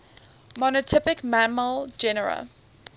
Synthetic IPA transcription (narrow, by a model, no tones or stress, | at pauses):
mɔnətʰɪpɪkmanməld͡ʒɛnəɹə̰